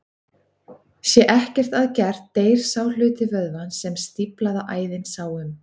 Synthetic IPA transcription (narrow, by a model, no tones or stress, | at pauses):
sjɛʔɛhcɛr̥t̪aðcɛr̥t̪ːejɾ̥saːwlʏːt̪ɪvœðvansɛmst̪iplaðaʔaːjðɪnsaːwʏm